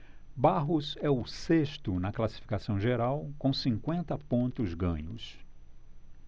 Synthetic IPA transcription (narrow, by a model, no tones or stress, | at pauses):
baɦʊzɛʊseʃt̪ʊnɐklasi̥fi̥kasɐ̃w̃ʒeɾawkõw̃sĩŋkwẽnt̪ɐpõnt̪ʊzɡɐ̰̃ɲʊ̰s